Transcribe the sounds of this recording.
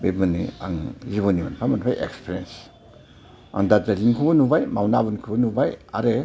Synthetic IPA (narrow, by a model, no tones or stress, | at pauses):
bemɯnia̰ŋjiβonimanpʰamanpʰajʔekspʰeɾiens | a̰ŋdazalinkʰubanubajmawnabunkʰubanubaja̰ɾe